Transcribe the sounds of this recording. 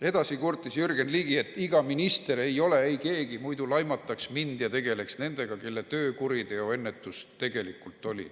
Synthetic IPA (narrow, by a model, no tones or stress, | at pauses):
e̞d̪ɑsikurt̪ːˑisjyrɡ̥enliːɡ̥ie̞t̪ːˑiɡ̥ɑminist̪e̞ɾe̞jo̞le̞ejke̞ːɡ̥imujd̪ulɑjmɑt̪ːˑɑksmind̪̥jɑt̪e̞ɡe̞le̞ksne̞nd̪̥e̞ɡ̥ɑke̞lːet̪øːkuɾit̪e̞oe̞nːe̞t̪ːˑust̪e̞ɡe̞likːˑult̪ːˑo̞lʲḭ